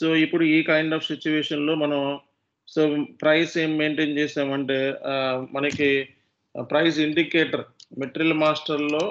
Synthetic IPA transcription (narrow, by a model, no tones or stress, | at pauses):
soːipːuɽuiːkɐjɳɖaːpʰsit͡ʃuʋɛːʂɐnlo̞ːmɐnɐm | soːpɾɐjseːmːeːɳʈeːnt͡ʃɛːsaːmɐɳʈe̞ːmɐnɐki | pɾɐjs̬iɳɖikeːʈɐɾmeʈɾɐlmaːsʈɐɾlo̞ː